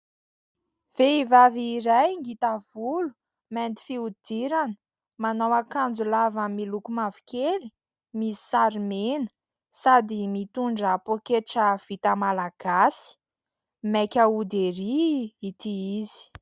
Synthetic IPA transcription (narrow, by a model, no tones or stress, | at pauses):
v̥eivaviɾajŋɡit̪av̥ulu̥ | mɛnt̪i̥fiud̪̥iɾanə̥ | manawakand͡zulavəmilukumavi̥kʲeli̥ | mii̥saɾimenə̥ | sad̪imit̪uɳɖ͡ʐəpokeʈ͡ʂəv̥it̪əmalaɡ̥asi̥ | mekʲaud̪eɾiːt̪iizi̥